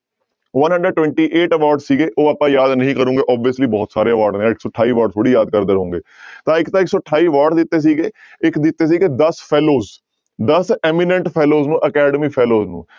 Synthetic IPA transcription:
ʋənɦə̃ɳɖəɖ̚ʈːwɛ̃ːɳʈiːʔeːʈəʋaːɾɖzsiːɡeːʔoːaːpãːjaːd̪nəɦĩːkəɾũːŋɡeːʔɔːbiəsliːbɔːt̪saːɾeːəʋaːɾɖnẽːãɪksɔːʈʰaːiːʋaːɾɖt̪ʰoːɽiːjaːd̪̚kəɾd̪eːɾəɦũːŋɡeːt̪ãːɪkt̪ãːɪksɔːʈʰːaːiːʋaːɾɖd̪ɪt̪ːeːs̬iːɡeː | ɪkd̪ɪt̪ːeːs̬iːɡeːd̪əspʰɛːloːz | d̪əsɛːmɪnə̃ɳʈpʰɛːloːznũːʔəkɛːɖəmiːpʰɛːloːznṵ̃ː

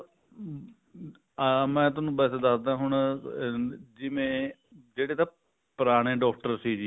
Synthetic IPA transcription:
mɛ̃ːt̪ʊnũːbɛːseːd̪əsd̪ãːɦʊɳ | d͡ʒɪʋẽː | d͡ʒeːɽeːt̪ãː | pəɾaːɽ̃ẽːɖɔːk̚ʰʈəɾsiːd͡ʒiː

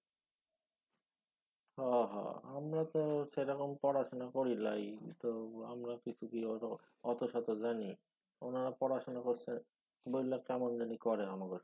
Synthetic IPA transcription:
hɔɦɔ̰amɾat̪oʃeɾɔkompɔɾaʃonakoɾilajt̪oamɾakit͡ɕʰukiɔ | ɔt̪oʃat̪od͡ʑani | onaɾapɔɾaʃonakoɾt͡ɕʰen | bojlːakɛmondanikɔɾeɦɔmakoɾ

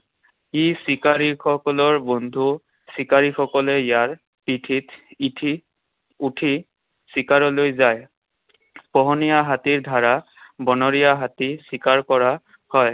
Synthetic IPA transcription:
isikaɹixɔkɔlɔɹbɔndʱu | sikaɹixɔkɔlɛjaɹ | pitʰittʰi | utʰi | sikaɹɔlojzaj | pɔɦɔnijaɦatiɹdʱaɹa | bɔnɔɹijaɦatisikaɹkɔɹa | hɔj

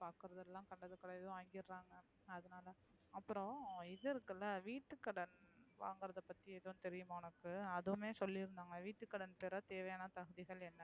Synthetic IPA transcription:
paːɾkɯɾɐðɛlːãːkɐɳɖɐðɯkːɐɽɐɛðɐʊ̃aːŋɡɪɾːaːŋɡɐ | ɐðɐnaːlɐ | ɐpːɯɾɔ̃ɪðɯɪɾɯkːɐlːɐʋiːʈːɯkːɐɽɐnʋa̰ːŋɡɯɾɐðɐpːɐt̪ːiɛðɐʊ̃t̪ɛɾɪjɯmaːʊnɐkːɯɐðɯmeːsɔlːɪɾɯnd̪aːŋɡɐʋiːʈːɯkːɐɽɐnpɛɾɐt̪eːʋɐjaːnɐt̪ɐɣɯðɪɣɐɭɛnːɐ

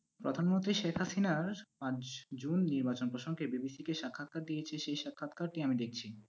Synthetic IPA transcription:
pɾo̰d̪ʱanmont̪ɾiʃekʰhasinaɾpãd͡ʑd͡ʑunːiɾbat͡ɕonpɾoʃoŋɡebibisikeʃakʰːat̪̚kaɾd̪ijet͡ɕʰeʃejʃakʰːat̪kaɾʈiamid̪ek̚ʰt͡ɕʰi

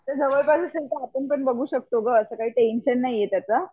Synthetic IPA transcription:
t̪əɾd͡zʱəʋəɭpasəsəŋʈ̪aapənpəɳbəɡʱuːɕək̚t̪oɡəəsəkaɦiːʈenɕənːaijet̪jat͡sa

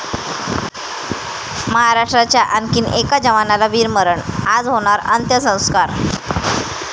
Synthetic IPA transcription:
məɦaɾaʂʈɾat͡ɕjaʔənkiːnekad͡ʑəʋanalaʋiːɾməɾəɳad͡zɦoɽ̃aɾə̰nt̪jəsə̃w̃skaɾ

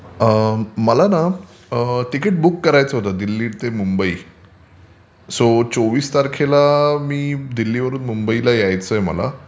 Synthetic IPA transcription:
əməlana | əʈ̪ikeʈ̚bukːəɾajt͡səɦot̪əd̪ilːiːɽt̪emumbəḭː | sot͡soʋiːst̪aɾkʰelamiːd̪ilːiːʋəɾuːnmumbəilajajt͡səjmə̰la̰

